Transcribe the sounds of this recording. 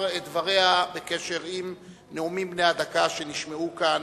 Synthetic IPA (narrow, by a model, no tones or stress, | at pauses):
et̚d̪vaʁehabeke̞ʃe̞ʁim | neumimbnejad̪akaʃe̞niʃmeukan